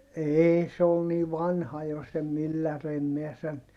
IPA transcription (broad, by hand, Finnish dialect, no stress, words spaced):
eːi se ol niː ʋɑnhɑ jo se mylːær em miɛ sen